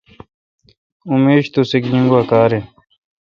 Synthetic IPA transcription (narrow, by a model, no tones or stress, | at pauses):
umeːɕt̪usikɲĩŋɡwakaːɾe